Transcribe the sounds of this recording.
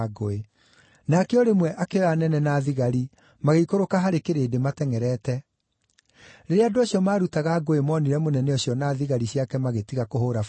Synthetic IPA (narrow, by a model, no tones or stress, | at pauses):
ɡoe | nakɛɔɾemwɛʔakeanɛnɛnaːðiɣaɾi | maɣeikoɾokaɦaɾekeɾeːdematɛŋɛɾɛtɛ | ɾeɾeadoaɕjɔmaːɾutaɣaːɡoemɔniɾɛmonɛnɛɔɕjɔnaːðiɣaɾiɕiakɛmaɣetiɣakoɦoːɾaf